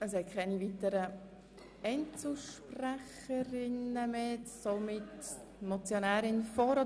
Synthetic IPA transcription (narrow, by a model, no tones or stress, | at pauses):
əs̬hɛt̚kʰɛɪniviːtəɾə | ɛnt͡suʃpræχ | əɾɪnəmeːsomɪt | nɔt͡sjonæːɾɪnfɔɾo